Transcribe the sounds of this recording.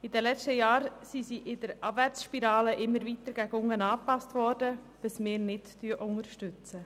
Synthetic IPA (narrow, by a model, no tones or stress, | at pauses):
ɪd̥ɛlɛt͡ʃtəjɑːɾsisiʔɪd̥əɾɑbvært͡sʃpiɾɑːləʔɪmːəɾvit̪əɾɡ̥æɡʊŋənɑːpɑstvɔɾdə | b̥ɪsmɪːɾnɪttyəʔʊŋəɾʃtʏt͡sə